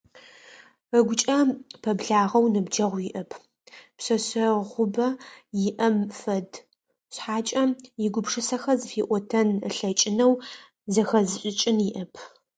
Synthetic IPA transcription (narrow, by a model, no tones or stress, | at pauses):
əɡʷʊt͡ʃʼɐpʰɐbɮaːʁɐwnɨbd͡ʒɐʁʷjɪʔɐpʰ | psɐɕɐʁʷʊbɐjɪʔɐmfɐd | ɕħaːt͡ʃʼɐjɪɡʷʊpʂɨsɐxɐzɨfiːʔʷɔtʰɐnəɬɐt͡ʃʼɪnɐw | zɐxɐzɨɕʼɪt͡ʃʼɪnjɪʔɐpʰ